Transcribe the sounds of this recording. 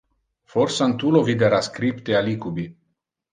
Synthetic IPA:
forsant̪ulovid̪eɾaskɾipt̪ealikubi

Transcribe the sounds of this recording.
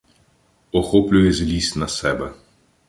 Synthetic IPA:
ɔxoːplʲujɛzʲlʲisnasɛːbɛ

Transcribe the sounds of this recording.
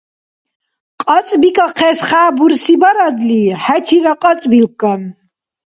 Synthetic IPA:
qʼat͡sʼbikʼaqʰɛsχaːbuɾsibaɾad̪lihæt͡sʰiɾaqʼat͡sʼbilkʼːan

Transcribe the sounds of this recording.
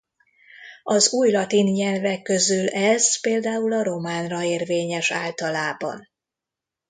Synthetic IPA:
ɒzuːjlɒt̪inɲɛlvɛkːø̞zylɛz̥peːld̪aːulɒɾo̞maːnrɒeːrveːɲɛʃa̰ːlt̪ɒlaːbɒ̰n

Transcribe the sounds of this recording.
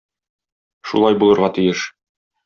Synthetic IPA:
ʃṵlˠɑjbulˠɤ̆ɾʁɑt̪ɘ̆jɘʃ

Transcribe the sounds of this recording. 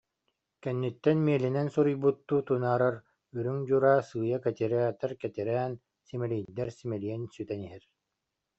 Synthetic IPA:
kɛnːyt̪ːɛnmiɛlinɛnsuɾujbut̪ːuːt̪unaːɾaɾ | yɾyŋd͡ʑuɾaːsɯːjakɛt̪iɾɛt̪ɛɾkɛt̪iɾæːn | simɛlijd̪ːɛɾsimɛlijɛnsyt̪ɛniɦɛɾ

